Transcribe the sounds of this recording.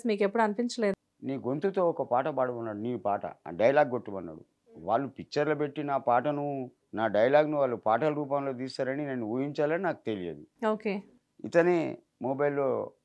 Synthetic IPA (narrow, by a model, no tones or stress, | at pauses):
smiːkepːuɽuɐnipiɲt͡ʃɐle̞ː | niːɡont̪ut̪o̞ːɔkɐpaːʈɐpaːɽɐmɐnːaːɽuniːpaːʈɐ̰ɖɐjɐlaːɡːoʈːumɐnːa̰ːɽṵ | ʋaːɭːupikːt͡ʃːɐɾlɐpe̞ʈːinaːpaːʈɐnu | naːɖɐjɐlaːɡniʋaːɭːupaːʈɐlɐɾuːp̬aːmlo̞ːt̪̬iːst̪aːɾɐnineːnːuuːjiɲt͡ʃaːlɐninaːku̥t̪e̞lijḛːd̪uoːkeː | ḭt̪ɐni | moːbɐjlːoː